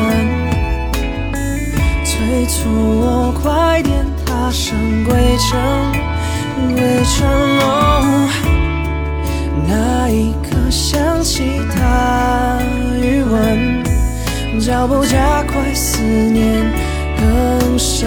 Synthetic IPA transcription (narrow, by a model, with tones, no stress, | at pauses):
ə˧˥n | ʈ͡ʂʰe˧˥ɪt͡sʰu˨˩wɔ˧˩kʰwa˧˥t̪jɛ˧nt̪ʰa˧˥ʂə˧˥ŋkwe˥˩ɪʈ͡ʂʰə˧˥ŋ˧ | we˧˥ɪʈ͡ʂʰə˧˥nlɔ˧˥˧ | na˧˩i˧kʰə˧ɕjɑ˥ŋɕi˧˥˩t̪ʰa˥ | y˧˥wə˧˩n | ʈ͡ʂɑ˧˩ʊpo˥˧ʊt͡ɕja˥kʰwa˥ɪsɹ̩˧˩njɛ˧˥n | kə˥ŋʂ